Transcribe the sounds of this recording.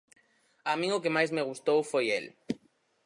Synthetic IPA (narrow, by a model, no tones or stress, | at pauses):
amĩŋokemajzmeɣ̞ust̪owfojel